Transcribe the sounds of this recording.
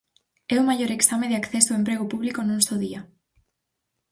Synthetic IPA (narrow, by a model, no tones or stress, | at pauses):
ɛʊmajoɾeksameðɪakθɛsoempɾeɣopuβlikonũnsowðia